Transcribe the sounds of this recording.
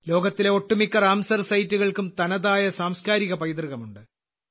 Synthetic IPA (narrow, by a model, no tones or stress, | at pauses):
lo̞ːɡɐt̪ːileo̞ʈːumikːɐraːmsɐrsɐjtːuɣɐɭkumt̪ɐnɐðaːjɐsaːmskaːɾiɣɐpɐjd̪rɨɣɐmuɳɖɨ